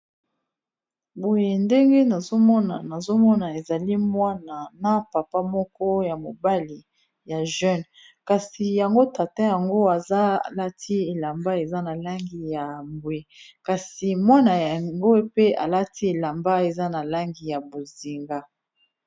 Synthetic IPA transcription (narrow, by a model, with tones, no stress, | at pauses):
bo˨je˨nde˦ŋɡe˦na˨zo˦mɔ˦na̰˨na˨zo˦mɔ˦na˨e˨za˨li˦mwa˦na˨na˨pa˨pa˦mɔ˦kɔ˦ja˨mo˨ba˦li˨ | ja˨ʒɛ˦n | ka˨si˨ja˨ŋɡo˦ta˨ta˦ja˨ŋɡo˦a˨za˦˨la˦tʰi˦e˨la˨mba˦e˨za˦na˨la˦ŋɡi˨ja˨mbwe˨ka˨si˨mwa˦na˨ja˨ŋɡo˦pe˦a̰˨la˦ti˦e˨la˨mba˦e˨za˦na˨la˦ŋɡi˨ja˨bo˨zi˨ŋɡa˦